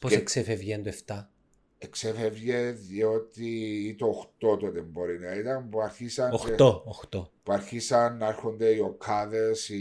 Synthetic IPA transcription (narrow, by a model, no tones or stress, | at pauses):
poseksevevʝend̪oeft̪ɐ | eksevevʝeðʝeot̪iːt̪oxt̪ot̪ot̪emboɾinɐit̪ɐmpuɐɾçisɐoxt̪ooxt̪opuɐɾçisɐnːeɾxond̪eiokʰaðesi